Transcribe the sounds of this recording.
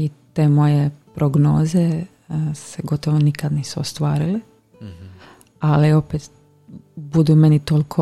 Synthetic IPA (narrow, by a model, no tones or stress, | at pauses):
it̪eːmo̞jepɾʔoɡno̞ːze | seɡo̞t̪oʋonikad̪niːsuost̪ʋaːɾili | alio̞pet̪ | bud̪uːmenit̪olkʰo